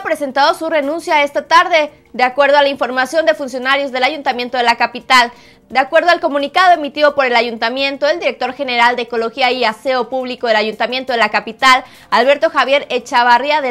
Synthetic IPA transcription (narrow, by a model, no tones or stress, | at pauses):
pɾe̞se̞nt̪aðo̞sure̞nũnsjae̞st̪at̪aɾðe | d̪eakwe̞ɾð̞oalaiɱfo̞ɾmasjond̪e̞funsjo̞naɾjo̞zðe̞laʝunt̪amje̞nt̪o̞ð̞e̞lakapit̪al | d̪eakwe̞ɾð̞o̞alko̞mũnikaðo̞emit̪iðo̞po̞ɾe̞laʝunt̪amje̞nt̪o̞eld̪iɾe̞k̚t̪o̞ɾxe̞ne̞ɾald̪eːko̞lo̞xiaiaseo̞puβliko̞ðe̞laʝunt̪amje̞nt̪oðe̞lakapit̪al | alβe̞ɾt̪o̞xaβje̞ɾet͡ʃaβariaðe